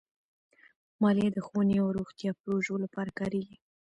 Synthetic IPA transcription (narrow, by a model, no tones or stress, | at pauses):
mɑled̪əxoneawɾoxt̪jɑpɾoʒolapɑɾakɑɾeɡi